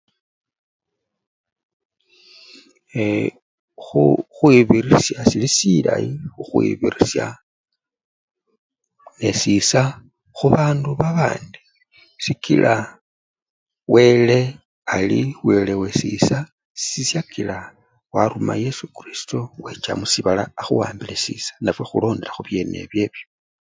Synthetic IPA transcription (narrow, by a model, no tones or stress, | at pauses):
e | xuxwiβirisjasilisila̰ixuxwḭβirisja̰ | nesisa | xuβaːnduβaβa̰ːndi | sikilʔa | wʔe̞le̞ | aliwe̞le̞we̞sḭsa | si̥isjakʰila | waɾumaje̞sukrisi̥towet͡ʃa̰musiβalaːxṵwa̰ːmbilesḭsḁnafwe̞xulo̞ːnde̞ɾaxuβje̞ne̞̰βje̞βjo